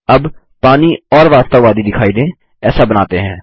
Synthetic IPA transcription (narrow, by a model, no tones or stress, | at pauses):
ɐb | paːniɔːɾʋaːst̪əʋaːd̪id̪ɪkʰaːid̪ẽː | ɛːsabɐnaːt̪eɦɛ̃ː